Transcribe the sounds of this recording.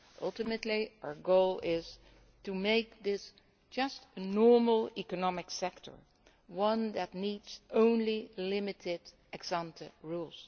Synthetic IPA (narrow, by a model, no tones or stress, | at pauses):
ʔʌ̰lˠtɨmɨtˡliaə˞ɡoʊlˠɪz̥ | tumeɪk̚ðɪs | d̥d͡ʒʌstnɔɹml̩ˠikənɑmɪksɛktʰə̰˞ | wʌ̃nðætnidz̥ʔõʊ̃nlilɪmɨtʰɪd | ʔɨɡsɑ̃ntʰəɹulˠs